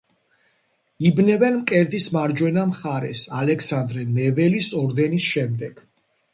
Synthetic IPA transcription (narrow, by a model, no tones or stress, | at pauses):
ibnɛvɛnmkʼɛɾd̪ismaɾd͡ʒwɛnamχaɾɛ̰salɛksand̪ɾɛmɛvɛlisɔɾd̪ɛnisʃɛmd̪ɛɡ̥